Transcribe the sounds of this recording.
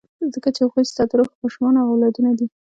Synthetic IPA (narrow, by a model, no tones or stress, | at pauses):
zəkat͡ʃexojst̪ɑt̪ɾoxmɑʃumɑnaɣawlɑd̪unad̪i